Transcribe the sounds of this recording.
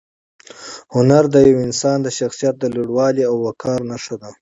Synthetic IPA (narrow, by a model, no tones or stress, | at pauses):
hʊnaɾd̪əjawɪnsɑnd̪əʃaxsijat̪̚d̪əliɽwɑliawːakʰɑɾnaʂad̪a